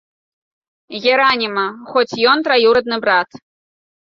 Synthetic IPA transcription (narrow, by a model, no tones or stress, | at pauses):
ɣʲɛɾanʲimɐxɔt͡sʲjɔnt̪ɾajiwɾɐd̪̚nɨbɾat̪